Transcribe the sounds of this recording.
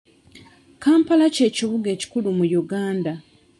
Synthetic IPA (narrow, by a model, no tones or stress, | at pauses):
kaːmpalace̞ːciβuɡe̞ːci̥kulumujuɡaːnda